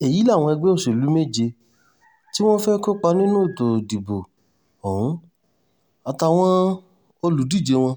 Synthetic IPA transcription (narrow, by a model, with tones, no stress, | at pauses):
e˨ji˨˦la˦˨w̃ɔ̃˧ɛ˧ɡ͡bɛ˦o˦˨se˨lu˨˦me˦˨d͡ʒe˧ | ti˦w̃ɔ̃˦fɛ˦ko˦k͡pa˧˦nĩ˦nũ˦e˦˨to˨di˨bo˨ | ɔ˨ũ˨˦ | a˨ta˧w̃ɔ̃˦ | o˧lu˨˦di˦˨d͡ʒe˧w̃ɔ̃˧